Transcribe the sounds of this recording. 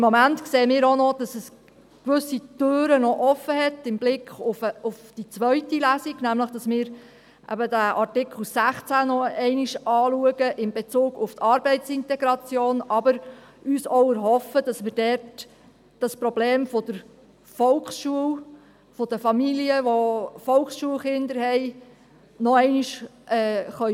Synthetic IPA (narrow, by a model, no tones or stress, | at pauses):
ɪmːɔmæntkseːəmɪːɾonɔd̥ɑsəs | kʋʏsitøːɾənɔʔɔfəɦɛtɪmblɪkχʊfəʊfd̥it͡sʋœʏtilæsiɡnæmləχd̥ɑsmɪːɾ | ʔæ̰bədæʔɑɾtɪkχl̩sæχt͡sænɔɛɪniʃʔɑːluəɡəʔɪmbet͡suːɡʊft̪ʰɑɾbɛɪtt͡sɪntɛɡɾɑt͡sjoːnɑbəɾ | yːsɔʊəɾɦɔfəd̥ɑsmɪːɾdɛrt | d̥ɑspɾɔbleːmfod̥əɾ | fɔlkχsʃuəw | fod̥əfɑmiliəʋofɔlksʃuəlχɪnd̪əɾhɛɪ | nɔɛɪniʃʔɛːχœ